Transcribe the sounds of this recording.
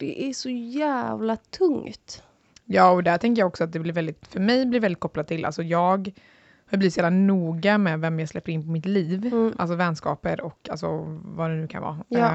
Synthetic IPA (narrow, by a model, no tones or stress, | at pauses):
d̪̥ɛ̰ʔæʂɔjæːvlat̪ʰɵŋt̪ | jɑːɔd̪æʈtʰɛŋkəjaɡɔksɔat̪̚d̪ɛblɪɾvɛld̪ɪt̪fœɾmɛjblɪɾvɛld̪ɪt̪kɔpːlad̪̚t̪ʰːɪlʔa̰lsɔjɑːɡ | hajbliːɪt̪sjɛːvlanuːɡamɛvɛmjaːɡslɛpːəɾɪnːpɔmɪt̪liːvʔals̬ɔvɛnskɑ̰ːpəɾɔka̰lsɔ̰vad̪ɛnʉ̟ːkʰa̰nvɑ̰ː